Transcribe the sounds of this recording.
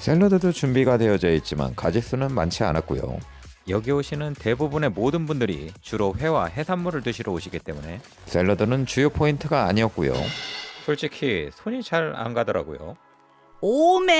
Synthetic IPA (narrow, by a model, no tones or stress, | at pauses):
s͈ʰe̞ɭːʌdɯdot͡ɕumbiɡade̞ʌd͡ʑeit̚t͡ɕ͈ima̰nkad͡ʑik̚s͈unɯnma̰nt͡ɕʰia̰na̰k̚k͈ujo̰ | jʌɡioɕʰinɯnte̞bubune̞modɯnbundɯɾḭt͡ɕuɾoɸwe̞waɦe̞sʰanmuɾɯɭtɯɕʰiɾʌoɕʰiɡit͈e̞mune̞ | s͈ʰe̞ɭːʌdɯnɯnt͡ɕujopʰointʰɯɡaːɲiʌk͈ujo̰sʰoɭt͡ɕ͈ikʰisʰoɲit͡ɕaɾa̰nɡadʌɾa̰ɡojo̰ | ome